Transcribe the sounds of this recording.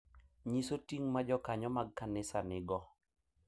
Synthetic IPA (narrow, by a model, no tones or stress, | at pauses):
ɲisotiŋmad͡ʒɔkaɲɔmaɡ̚kanɪsanɪɡɔ